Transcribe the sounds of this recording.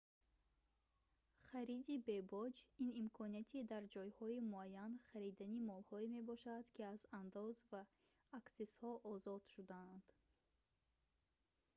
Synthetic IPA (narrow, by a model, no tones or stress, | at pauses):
χaɾid̪ibe̞bɔd͡ʒinimkʰɔniat̪ʰid̪aɾd͡ʒɔjhɔimuajːanχaɾid̪animɔlhɔime̞bɔʃad̪̥kiazand̪ɔzvaː | kseshɔʔɔzɔd̪̥ʃud̪aːnd̪̥